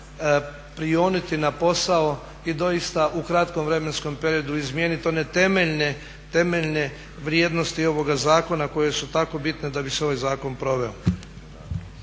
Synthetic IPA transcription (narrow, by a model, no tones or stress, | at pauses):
pɾioːnit̪inapo̞sao | id̪o̞jist̪aʔukɾat̪ko̞mʋɾe̞me̞nsko̞mpe̞ɾio̞d̪uizmjeːnit̪o̞ne̞t̪e̞meʎne | t̪e̞meʎne̞ | ʋɾjeːd̪no̞st̪io̞ʋo̞ɡazaːko̞nako̞jesut̪ako̞bit̪ned̪abiseo̞ʋajzaːko̞npɾo̞ʋe̞o